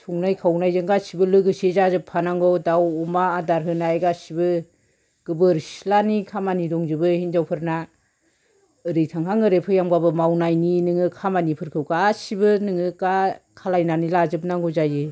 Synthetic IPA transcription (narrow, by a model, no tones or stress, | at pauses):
tʰuŋnajkʰawnajzɯŋɡasibɯlɯɡɯsezazɯpʰːanaŋɡɔdawɔmaːdaɾɦɯnajɡasibɯ | ɡ̥ɯbɯɾslanikʰamanidɔŋzɯbɯhind͡ʒawpʰɯɾna | ɯɾɯjtʰaŋɦaŋɯɾepʰɯjaŋbabɯmawnajninɯŋɯkʰamanipʰɯɾkʰɯwkasibɯnɯŋɯkakʰalajnanilazɯp̚naŋɡɔzajɯ